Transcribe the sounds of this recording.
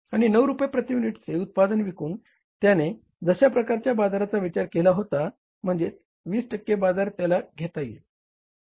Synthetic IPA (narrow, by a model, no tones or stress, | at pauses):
aɽ̃inəwɾupjapɾət̪iminiʈt͡seut̪̚pad̪ənʋikuːn | t̪jane | d͡zəɕapɾəkaɾt͡ɕjabad͡zaɾat͡saʋit͡ɕaɾkelaɦot̪a | m̤əɳd͡ze | ʋiːsʈəkːebad͡zaɾt̪jalaɡʱet̪ajḛ